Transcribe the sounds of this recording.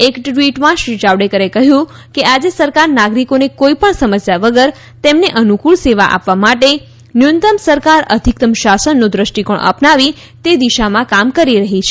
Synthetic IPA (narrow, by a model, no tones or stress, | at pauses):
ekʈʈʋiʈmãʃɾid͡ʒaʋɖekəɾekəɦjũ | kead͡ʒesəɾkaɾnaɡɾikonekoipəɳsəməsjaʋəɡəɾ | t̪emneʔənukuɭseʋa̰ʔa̰pʋamaʈe | njunt̪əmsəɾkaɾəd̪ʱik̚t̪əmʃasənːũd̪ɾəʃʈikoɳʔə̰pnaʋi | t̪ed̪iʃamãkamkəɾiɾəɦit͡ʃʰe